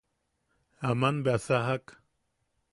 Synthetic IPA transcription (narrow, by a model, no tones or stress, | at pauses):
amanbeasaɦak